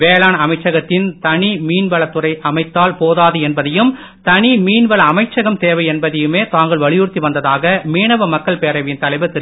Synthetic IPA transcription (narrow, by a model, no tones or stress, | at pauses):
ʋeːlaːnɐmɐɪt͡ʃːɐɣɐt̪ːɪnt̪ɐɳimiːnʋɐɭɐt̪ːɯrɐɪʔɐmɐɪt̪ːaːlpoːðaːðɯɛnbɐðɐjɯm | t̪ɐɳimiːnʋɐɭɐɐmɐɪt͡ʃːɐɣɐmt̪eːʋɐɪɛnbɐðɐjɯmeːt̪aːŋɡɐɭʋɐɭɪjuːrt̪iʋɐnd̪ɐðaːɣɐmiːɳɐʋɐmɐkːɐɭpeːɾɐʋɪnt̪ɐlɐɪʋɐt̪ɪɾ